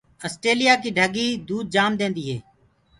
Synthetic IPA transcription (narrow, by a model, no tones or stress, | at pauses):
əsʈeːlɪjaːkiːɖʱəɡiːd̪uːd̪̚d͡ʒaːmd̪ẽːnd̪iːɦḛː